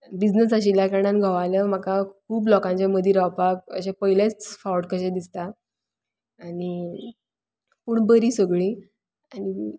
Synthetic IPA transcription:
bid͡ʑnəsəɕilakəɽ̃anɡʱaʋaləm̤akakʰuːplɔkãɲt͡ɕjaməd̪ʱiɾapak̚ə̰ɕẽpəɦilet͡sfawʈkəɕẽd̪ist̪a | aɽ̃i | puːɳbəɾiːsəɡɭi | aɽ̃i

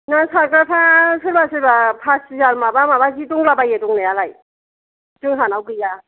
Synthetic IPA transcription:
nasakɯɾpʰasɯɾbasɯɾbapʰasizaɾmabamabazituŋlabajetuŋnejalaj | tɯŋɦanawɡɯja

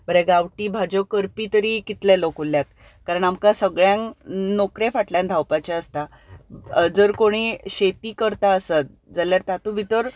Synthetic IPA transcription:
bəɾɛɡaʋʈiːbʱad͡ʑɔkəɾpiːt̪əɾiːkit̪lɛ̃lokolːjat̪ | kaɾəɳamkasəɡɭjãŋnokɾefaʈljãnd̪ʱawpat͡ɕeəst̪a | d͡zəɾkoɽ̃iɕet̪iːkəɾt̪aəsət̪̚ | d͡zaljaɾt̪at̪ubʱit̪əɾ

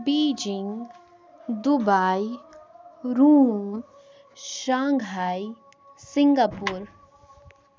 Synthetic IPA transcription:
biːd͡ʒɪŋɡ | d̪ubaːj | ɾuːm | ʃãːŋɡaːj | sɪŋɡapuːɾ

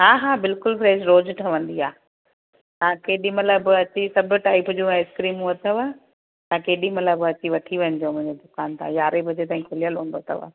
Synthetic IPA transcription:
ɦaːɦaːbɪlkʊlfɾeːsɾoːd͡ʑʈʰɐʋə̃n̆d̪iaː | t̪ãːkeːɗimɐt̪ləbɐt͡ɕisɐbʱʊ̆ʈaːɪpd͡ʑũːɛ̃ɪskɾiːmũɐt̪ʰəʋaː | t̪ãkeːɗĩmɐt̪ləbɐt͡ɕiʋɐʈʰiʋɐ̃nd̪ijomʊ̃ɦɪ̃ɲd͡ʑed̪ʊkaːnt̪ʰã̰ːjaːɾebʱɐd͡ʑet̪aːĩkʰʊlijəlɦũːnd̪oɐt̪ʰɐ̰ʋa̰ː

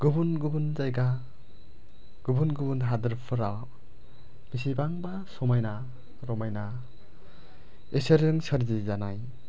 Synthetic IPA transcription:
ɡubunɡubunzajɡa | ɡ̥ubunɡubunɦadɯɾpʰɯɾaw | b̥isibaŋbasɔmajna | ɾɔmajna | eseɾɯŋsəɾzizanaj

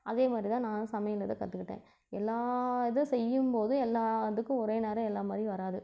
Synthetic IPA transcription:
ʔɐðeːmaːd̪ɾit̪ãːnãːnɯ̃sɐmɐjɐŋɪlɐðɐkɐt̪ːɯkːɪʈːḛ̃ː | ɛlːaːðɯsɛjːɯmpoːðɯɛlːaːðɯkːɯ̃ɔɾeːneːɾɐ̃ɛlːaːmaːd̪ɾiʋɐɾaːðɯ

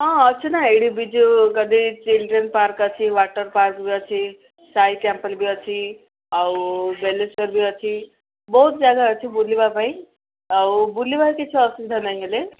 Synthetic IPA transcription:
ʌ̃ʌt͡sʰunaɦeɽibid͡zukʌd̪it͡silɖɾenpaɾkʌt͡sʰiwaʈʌɾparkbiʌt͡sʰi | sajkampʌlbiʌt͡sʰi | ʌwbeleskʌɾbiʌt͡sʰi | bʌɦut̪̚d͡zaɡaʌt͡sʰibulːibapaj̃ | ʌwbulːibaket͡sʰuʌsukd̪ʱanʌjɦele

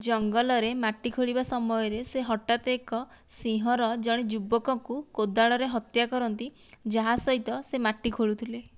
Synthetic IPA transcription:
d͡ʒɔŋɡɔlɔɾemaʈːikʰoɭibasɔmɔjɔɾeseɦɔʈat̪ekɔ | sĩɦɔɾɔd͡ʒɔɽ̃id͡ʒubɔkɔŋkukod̪aɭɔɾeɦɔt̪jakɔɾɔnt̪id͡ʒaɦasɔɦit̪ɔsemaʈːikʰoɭut̪ʰile

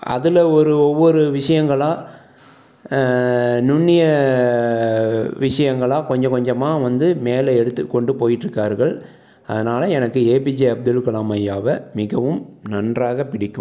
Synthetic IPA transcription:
ɐ̰ðɯlɐɔɾɯɔʋːɔɾɯʋɪʂɐjɐŋɡɐɭaː | nʊnːɪjɐ | ʋɪʂɐjɐŋɡɐɭaːkɔɲd͡ʒɐ̃kɔɲd͡ʒɐmaːʋɐnd̪ɯmeːlɐɛɽɯt̪ːɯkːɔɳɖɯpoːjɪʈːɾɯkːaːɾɣɐɭ | ɐ̰ðɐnaːlɐɛnɐkːɯeːpɪd͡ʒɐɐb̚d̪ɯlkɐlaːmɐjaːʋɐmɪɣɐʋɯmnɐndraːɣɐpɪɽɪkːɯm

